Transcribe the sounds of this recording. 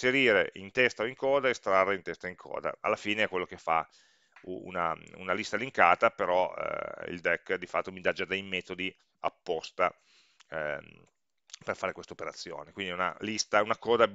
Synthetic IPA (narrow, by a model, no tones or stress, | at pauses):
seɾiːɾeʔint̪ɛst̪aoiŋkɔːd̪aest̪ɾarːeint̪ɛst̪aiŋkʰɔ̰ːd̪a̰a̰lːafiːneɛkwelːok̟efa̰ | uṵna̰ṵnalist̪aliŋkaːt̪apeɾɔ̰ḭld̪ɛkːd̪ifat̪ːomid̪ad͡ʒad̪ejmɛːt̪od̪i | apːɔst̪a | perfaːɾekwest̪aopeɾat̪sːjo̰ːnekwind̪iuna̰list̪aunakɔːd̪a